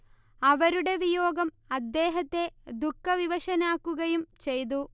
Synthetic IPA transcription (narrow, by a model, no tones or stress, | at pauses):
ɐʋɐɾuɽe̞ʋijo̞ːɡɐm | ɐd̪ːe̞ːɦɐt̪ːe̞d̪ukːɐʋiʋɐʂɐnaːkːuɣɐjumt͡ɕe̞jt̪̬u